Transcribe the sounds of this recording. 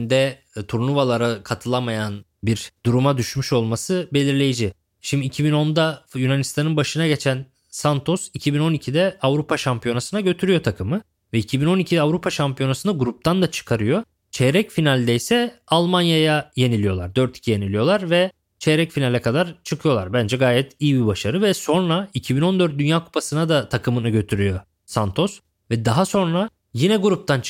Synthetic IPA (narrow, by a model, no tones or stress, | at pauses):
nd̪ɛ | t̪ʰuɾnˠuvalˠaɾakʰat̪ʰɯlˠamajan | biɾd̪̥uɾumad̪yʃmyʃo̞lˠmasɯbe̞lʲiɾlʲe̞jid͡ʒi | ʃimd̪iːcʰibino̞nd̪ajunanist̪ʰanɯnbaʃɯnaɟe̞t͡ʃʰæn | sant̪ʰo̞sicʰibino̞nicʰid̪ɛavɾupʰaʃampʰijo̞nasɯnaɟø̞t̪ʰyɾyjo̞t̪ʰakʰɯmɯ | vɛicʰibino̞nicʰid̪ɛavɾupʰaʃampʰijo̞nasɯnaɡuɾup̚t̪ʰand̪at͡ʃʰɯ̥kʰaɾɯjo̞ | t͡ʃʰɛɾɛcfinalʲd̪ɛjsɛalˠmanjajaje̞nilʲijo̞lˠa̰ɾd̪øɾt̪ʰi̥cʰije̞nilʲijo̞lˠaɾvɛ | t͡ʃʰɛɾɛcfinalʲɛkʰad̪aɾt͡ʃʰɯkʰɯjo̞lˠa̰ɾbænd͡ʒɛɡaːjɛt̪ijibibaʃaɾɯvɛso̞nɾaicʰibino̞nd̪øɾt̪̚d̪ynjaːkʰu̥pʰasɯnad̪at̪ʰakʰɯmɯnaɟø̞t̪ʰyɾyjo̞ | sant̪ʰo̞s | vɛd̪aɦaso̞nɾa | jinɛɡuɾup̚t̪ʰant͡ʃ